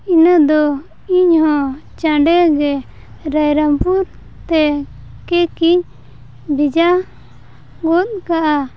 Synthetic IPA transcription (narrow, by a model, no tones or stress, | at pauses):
inəd̪ɔ | iɲhɔ̃t͡ʃãɖɛɡɛ | ɾajɾampuɾ | t̪ɛ | kɛkiɲ | bid͡ʒa | ɡɔt̪̚kaʔa